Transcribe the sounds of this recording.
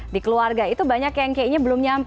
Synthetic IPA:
dikəluarɡait̪ubaɲakjaŋkeiɲabəlʊmɲamp

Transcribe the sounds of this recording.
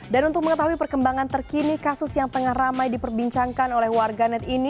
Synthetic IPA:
danunt̪ʊk̚məŋət̪aɦuipərkəmbaŋant̪ərkinikasʊsjaŋt̪əŋahramajdipərbiɲt͡ʃaŋkanolɛhwarɡanɛt̪ini

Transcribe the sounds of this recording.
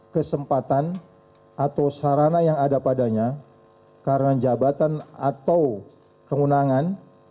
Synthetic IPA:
kəsəmpat̪an | at̪awsaɾanajaŋadapadaɲa | kaɾənad͡ʒabat̪ana̰t̪aw | kəunaŋan

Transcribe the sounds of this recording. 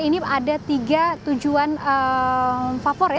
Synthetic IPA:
iniadat̪iɡat̪ud͡ʒuanə | fafoɾ

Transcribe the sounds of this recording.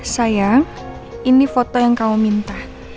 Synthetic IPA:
sajaŋ | inifɔt̪ɔjaŋkaumint̪ah

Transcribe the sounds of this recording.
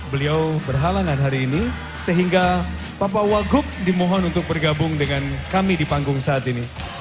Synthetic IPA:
bəliawbərɦalaŋanɦaɾiːni | səɦiŋɡa | papawaɡʊp̚dimoɦɔnunt̪ʊk̚bərɡabʊŋdəŋankamidipaŋɡʊŋsaːt̪ini

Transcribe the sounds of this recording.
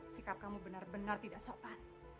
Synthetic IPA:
sikap̚kamubənarbənart̪idaʔsopan

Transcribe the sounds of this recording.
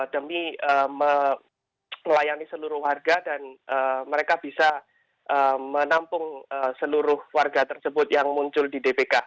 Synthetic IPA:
d̥əmiəmə | lajanisəluɾʊhwarɡadanʔəməɾekab̥isa | ʔəmənampʊŋəsəluɾʊhwarɡat̪ərsəbʊt̪̚jaŋmuɲt͡ʃʊldidepeka

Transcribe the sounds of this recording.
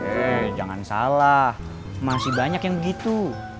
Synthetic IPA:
ɛd͡ʒa̰ŋa̰nsa̰lah | masɪhbaɲakjaŋbəɡit̪u

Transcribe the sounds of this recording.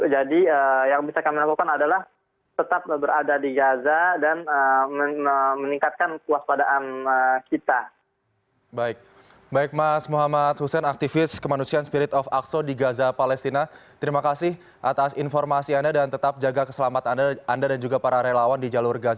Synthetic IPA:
d͡ʒadiəjaŋbisakamilakukanadalah | t̪ət̪ap̚əbəɾadadiɡazadanəməəməniŋkat̪̚kankuaspadaʔanəkit̪a | baɪk̚ | baɪk̚masmuɦamat̪husɛnak̚t̪ifɪskəmanusianspiɾɪt̪ɔfaksodiɡazapalɛst̪inat̪əɾimakasɪh | ʔat̪asinfɔrmasiandadant̪ət̪ap̚d͡ʒaɡakə̥səlamat̪andaandadand͡ʒuɡapaɾaɾelawandid͡ʒalurɡaz

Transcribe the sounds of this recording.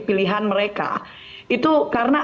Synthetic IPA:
piliɦanməɾeka̰ | it̪ukaɾəna

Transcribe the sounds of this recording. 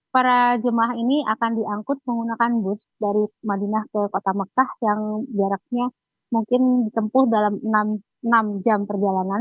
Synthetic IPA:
paɾad͡ʒəmaɦiniʔakandiaŋkʊt̪̚məŋɡunakanbʊsdaɾimadinahkəkot̪aməkahjaŋd͡ʒaɾak̚ɲa | muŋkɪndit̪əmpʊhdalamənam | ənamd͡ʒampərd͡ʒalanan

